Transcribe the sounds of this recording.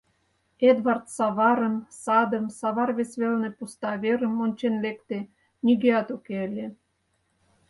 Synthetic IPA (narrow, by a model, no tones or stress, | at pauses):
ed̪βɑrt̪sɑβɑɾə̆nsɑd̪ə̆msɑβɑrβesβelnĕpust̪ɑβeɾə̆monʲt͡ɕenlekt̪e | niɣeɑt̪ukeəlʲe